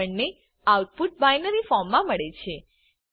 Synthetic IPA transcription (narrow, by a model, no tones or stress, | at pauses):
əɳne | awʈ̚puʈ̚bajnəɾifɔɾmːãməɭet͡ʃʰe